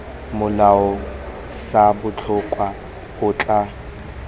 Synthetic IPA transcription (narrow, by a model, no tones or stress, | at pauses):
mʊlaɔ | sabʊt͡ɬʰʊkʼwa | ʊːt͡ɬʼa